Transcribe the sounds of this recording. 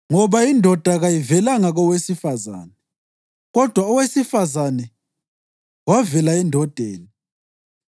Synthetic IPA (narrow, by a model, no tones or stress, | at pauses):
ŋɔβaindʱɔd̥ʱaɣajivɛlaŋaɣɔwesifaza̰ːnɛ | ɣɔd̥ʱwaɔwesifazanɛ | wavɛlaɛndʱɔd̥ʱeːni